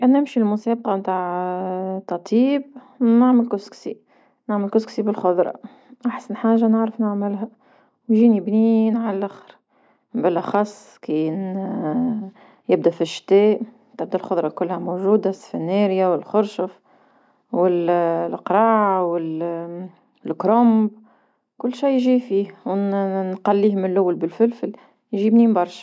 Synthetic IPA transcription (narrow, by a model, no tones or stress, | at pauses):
kænnɪmʃilmʊsæːb̚qɑmt̪aʕ | t̪ˤːɑt̪ˤiːb̚ | nɪʕməlkʊsksi | naʕməlkʊsksibɪlxʊðˤɾˤɑ̰ | ʔaħsanħaːʒanəʕɾəfnɪʕmɪlɦæ | wʒiːnibniːnʕalælʔaxɾ | bɪlʔæxɑsˤː | kiːn | jɪb̚d̪æfiʃːt̪ɛːʔ | t̪ɪb̚d̪ælxʊðˤɾˤɑkʊlːhæmoʒuːd̪asfɪnːeːɾjawɪlxʊɾʃʊf | wɪllqɾˤɑːʕawɪl | lkɾʊmb | kʊlːʃiːjʒifiːhwnqɑlːiːhmɪnlʔʊwːalbɪlfɪlfɪl | jʒiːbniːnbɑɾˤʃɑ̥